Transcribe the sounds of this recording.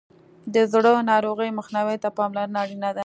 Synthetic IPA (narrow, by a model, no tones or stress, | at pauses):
d̪əzɽənɑɾoɣəjməxniwet̪apɑmlaɾnaɾinad̪a